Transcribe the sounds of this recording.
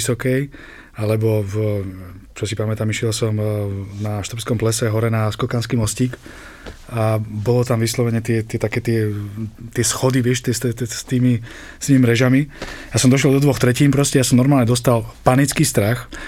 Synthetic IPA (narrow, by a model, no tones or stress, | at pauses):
sɔkɛj | alɛbɔv | t͡ʃɔsipamɛt̪aːmiʃɛlsɔmnaʃt̪ɾɔpskɔmplɛsɛɦɔɾɛnaskɔkanskiːmɔsciːk | abɔlɔt̪amʋislɔʋɛɲɛt̪ɪɛt̪ɪɛt̪akɛːt̪ɪɛt̪ɪɛsxɔd̪iʋɪɛʃt̪ɛst̪ɛst̪iːmi | st̪iːmimɾɛʒamijasɔmd̪ɔʃ̬lɛld̪ɔd̪ʋɔxt̪ɾɛciːnpɾɔscɛjasɔmnɔɾmaːlɲɛd̪ɔst̪alpanit͡skiːst̪ɾax